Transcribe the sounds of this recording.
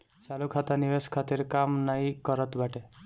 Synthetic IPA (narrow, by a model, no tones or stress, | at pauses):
salukʰat̪aniʋeskʰat̪iɾkamnajkɔɾʌt̪baʈe